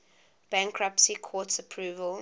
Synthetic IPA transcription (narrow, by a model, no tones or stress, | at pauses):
b̥ãŋkʰɹapsikʰɔˑtsəpʰɹuːvəl